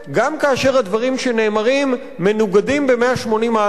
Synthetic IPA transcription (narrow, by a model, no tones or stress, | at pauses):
ɡamkaːʃe̞ʁhad̪vaʁimʃe̞ne̞ːmaʁimː | e̞nuɡadimbe̞meaʃmo̞nima